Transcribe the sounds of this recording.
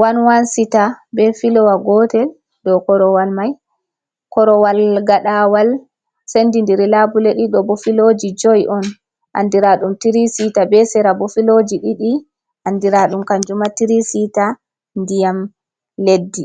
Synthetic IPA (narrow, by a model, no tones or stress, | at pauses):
wanwansitabɛfilɔwaɡɔtɛl | ɗɔkɔɾɔwalmaj | kɔɾɔwalɡaɗawal | sendindiɾilabuleɗiɗɔbofilod͡ʒid͡ʒojʔɔn | ʔa̰ndiɾaɗumtiɾisitabɛsɛɾabofilod͡ʒiɗiɗi | ʔandiɾaɗumkand͡ʒumatiɾisita | ndijam | ledːi